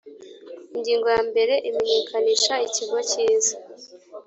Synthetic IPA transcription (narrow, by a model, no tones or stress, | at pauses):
iɲɟiːŋɡojambe̞ɾe̞ʔimeɲe̞ːkʰaniʃaiciɡo̞ciːza